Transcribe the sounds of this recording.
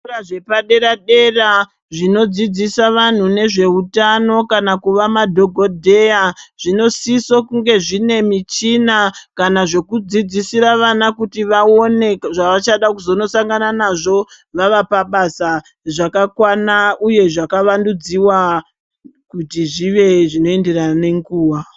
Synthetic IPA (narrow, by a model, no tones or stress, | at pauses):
raʐepaɗeɾaɗe̞ra | ʐino̞d͡zid͡zisaʋan̤une̞ʐe̞utano̞kanakuʋamadʱo̞ɡʱodʱe̞jaʐ̥ino̞sisokuŋɡe̞ʐine̞mit͡ʃinakanaʐe̞kud͡zid͡zisiɾaʋanakutiʋao̞ne̞ʐaʋat͡ʃaɗakuzono̞saŋɡananaʐo̞ | ʋaʋapaɓasa | ʐakakwanauje̞ʐakaʋandud͡ziwa | kutiʐiʋe̞ʐino̞e̞nde̞rane̞ŋɡuːwa